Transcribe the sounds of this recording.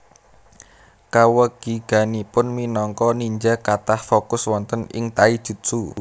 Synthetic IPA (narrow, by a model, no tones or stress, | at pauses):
kawəɡ̥iɡ̥ä̤nipʊnminɔŋkɔniɲd͡ʒakat̪ahfokʊswɔnt̪ənɪ̰ŋt̪aid̥ʒ̥ṳt̪̚su